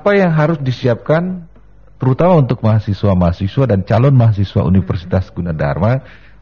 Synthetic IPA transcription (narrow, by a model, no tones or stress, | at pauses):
apajaŋɦaɾʊsdisiap̚kan | t̪əɾut̪amaunt̪ʊk̚maɦasiswamaɦasiswadant͡ʃalɔnmaɦas̬iswa̰ʔṵnifərsit̪asɡunada̰rma